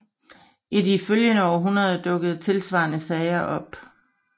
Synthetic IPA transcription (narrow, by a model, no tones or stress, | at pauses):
ʔidiføljənəɒːɦunɐðˠd̥ɔ̽ɡ̥ð̞̩ˠt͡sʰe̝lsʋɑ̈ːnəsɛɪɐʔɒ̽b̥